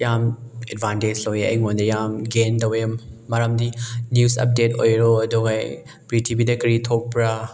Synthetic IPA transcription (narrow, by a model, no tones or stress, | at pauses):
jamedbʱanted͡ʒlojeɐ̰jŋondɐjamɡendɐwemːɐɾɐmdinjusɐ̰p̚deto̰jɾoɐduɡaj | pɾitʰibidɐkɐɾitʰok̚pɾa